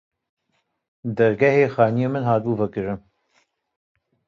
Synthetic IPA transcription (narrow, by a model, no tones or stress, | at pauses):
d̪ɐɾɡɛheːxɑːnijeːmɨnhaːt̪̚buːvɐkɨɾɨn